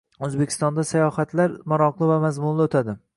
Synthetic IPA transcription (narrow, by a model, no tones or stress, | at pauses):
ɵzbe̞kʲʰɪ̥st̪ɒnd̪asajɒhat̪ʰlaɾmaɾɒqlˠɪvamazmʊnlɪot̪ʰad̪ɪ